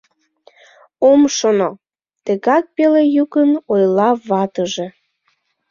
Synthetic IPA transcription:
omʃono | t̪əɣɑk̚pelejukənojlɑβɑt̪əʒe̽

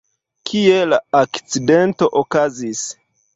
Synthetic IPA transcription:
kʰie̞laakt͡side̞nto̞ʔokazis

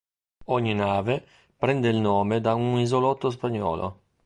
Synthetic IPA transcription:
ɔɲːinaːve | pɾɛnd̪eilnɔːmed̪aunizolɔt̪ːos̬paɲːɔ̰ːlʔo̰

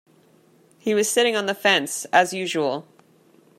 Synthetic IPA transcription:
hiwʌz̥sɪɾɪ̃ŋə̃nðəfɛ̃nsəzjʉːʒəwəlˠ

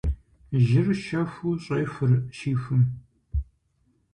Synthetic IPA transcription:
ʒɪrʃɐfuɕʼeːfɨrʃiːfɨm

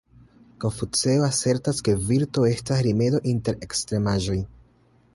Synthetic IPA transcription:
ko̞nfut͡seoase̞ɾtaske̞viɾto̞e̞stasɾime̞do̞ʔinte̞ɾe̞kstɾe̞maʒo̞j

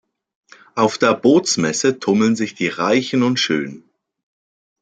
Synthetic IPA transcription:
ʔaʊfd̥eːɐboːt͡smɛsətʰʊml̩nzɪçd̥iːʁaɪçn̩ʊntʃø̰ːn

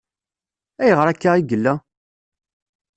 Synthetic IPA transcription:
æjəʁəɾækːaʁiɡəlːæ

